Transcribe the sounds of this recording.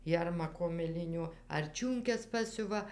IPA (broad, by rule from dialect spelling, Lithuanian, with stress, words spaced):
ˈjɛrmɐkoː mʲɪˈlʲɪnʲoː ɐr ˈt͡ʃʲuːŋʲkʲɛs ˈpɑːsʲʊʋɐ